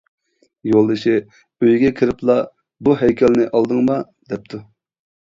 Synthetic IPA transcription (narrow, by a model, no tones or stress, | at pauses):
jolˠɨʃɪ | øjɡʲɛkʲʰɪɾɪplˠɑ | buɦɛjkʲʰɛlnɪʔɑlˠd̪ɨŋmɑ | d̪ɛp̚t̪ʰu